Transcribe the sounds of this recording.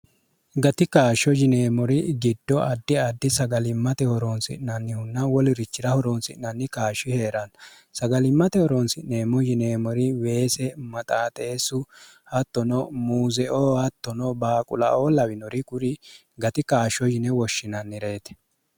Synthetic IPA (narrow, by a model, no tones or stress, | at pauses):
ɡɐt̪ɪkaːʃɔd͡ʒɪneːmɔɾɪɡɪd̪ːɔʔɐd̪ːɪɐd̪ːɪsɐɡɐlɪmːɐt̪ɛhɔɾɔnsɪ̰nːɐnːɪhʊnːɐwɔlɪɾɪt͡ʃːɪɾɐhɔɾɔnsɪ̰nːɐnːɪkaːʃɪhe̞ːɾɐn | sɐɡɐlɪmːɐt̪ɛhɔɾɔnsɪneːmɔd͡ʒɪneːmɔɾɪwe̞ːsɛmɐt̪ʼaːt̪ʼe̞ːsʊ | hɐt̪ːɔnɔmuːzɛʔoːhɐt̪ːɔnɔbaːkʼʊ̰lɐ̰ʔoːlɐwɪnɔɾɪkʊɾɪ | ɡɐt̪ɪkaːʃɔd͡ʒɪnɛwɔʃːɪnɐnːɪɾe̞ːt̪ɛ̥